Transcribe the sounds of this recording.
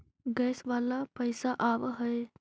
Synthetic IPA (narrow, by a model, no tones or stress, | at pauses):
ɡɛːsʋaːlapəjsaʔaʋɦəj